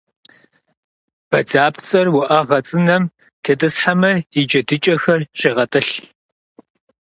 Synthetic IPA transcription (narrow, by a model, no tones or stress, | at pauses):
b̥ɐd͡zaːpt͡sʼɐrwʊʔɐʁɐt͡sʼɨnɐm | tʰeːtʼɨsħamɐid͡ʒɐdɨt͡ʃʼɐxɐrɕeːʁɐtʼɨɬ